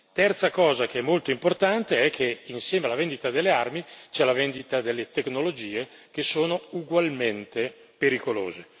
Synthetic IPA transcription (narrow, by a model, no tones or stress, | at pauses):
t̪ɛrt̪sakɔːzak̟eɛmːolt̪oimport̪ant̪eɛkʰːeinsjɛːmealːavend̪it̪ad̪elːearmit͡ʃɛlavɛnd̪it̪ad̪elːet̪eknolod͡ʒiːek̟esoːnouɡwalment̪e | peɾikolo̰ːze